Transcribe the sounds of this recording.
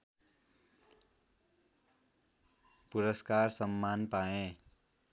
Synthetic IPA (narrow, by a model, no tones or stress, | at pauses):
puɾʌskarsʌmːanpaẽ